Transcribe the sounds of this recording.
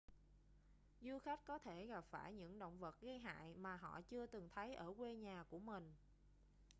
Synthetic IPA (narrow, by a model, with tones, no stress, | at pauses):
zu˧xa˦˥k̟̚kɔ˨˦t̪ʰe˧˩ɣa˨˩p̚faː˧˩jɲɨ̰˧˥ŋɗə̰˧˨wŋ͡mvə˨˩t̚ɣə˧jɦa̰ː˧˨jmaː˨˩ɦɔ̰˧˨t͡ɕɨ˧ət̪ɨ˨˩ŋt̪ʰə˨˦jʔəː˧˩kwe˧ɲaː˨˩ku˧˩əmï˨˩ŋ̟